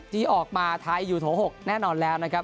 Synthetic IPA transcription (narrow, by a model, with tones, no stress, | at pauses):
t̪ʰiː˧˥˩ʔɔː˨˩k̚maː˧t̪ʰaː˧jːuː˨˩t̪ʰoː˩˦ɦo˨˩k̚nɛː˥˩nɔː˧nlɛː˦˥wna˦˥kʰa˦˥p̚